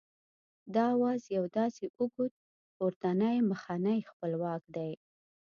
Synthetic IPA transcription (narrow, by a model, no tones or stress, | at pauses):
d̪ɑwɑzjawd̪ɑseʔuɡut̪̚ | oɾt̪anajməxɑnajxpəlwɑkd̪aj